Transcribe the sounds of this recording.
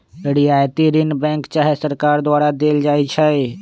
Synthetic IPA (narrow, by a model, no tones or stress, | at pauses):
ɽiaːjt̪iɾɪnbɛ̃ːŋkt͡ʃaːɦesəɾkaːɾd̪ʊaːɾad̪eːld͡ʒaːit͡ʃʰɛe